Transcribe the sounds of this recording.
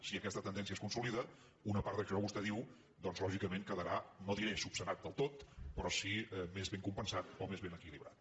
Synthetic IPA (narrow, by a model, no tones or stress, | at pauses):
siəkɛst̪ət̪ənd̪ɛns̬ieskunsuliðə | unəpaɾt̪əʃɔβust̪ɛðiw | d̪ɔnzlɔʒikəmeŋkəðəɾanoðiɾesupsənat̪̚d̪əlˠt̪ot̪̚pɾɔsimezβeŋkumpənsat̪omezβenəkiliβɾat̪̚